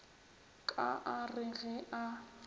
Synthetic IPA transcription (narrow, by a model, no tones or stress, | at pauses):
kʼaʔarɪɣɛʔa